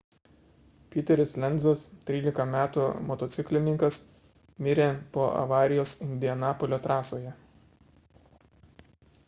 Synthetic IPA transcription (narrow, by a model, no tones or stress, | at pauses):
pʲɪːt̪ʲɛɾʲɪslʲɛnʲd̪zɐst̪ʲɾʲiːlʲɪkɐmʲæːt̪umɔt̪ɔt̪sʲɪklʲɪnʲɪŋkɐs | mʲɪɾʲeːpoːʔɐ̰ʋɑːɾʲɪjoːsɪnʲd̪ʲɪɛnɑːpɔlʲoːt̪ɾɑːsoːjɛ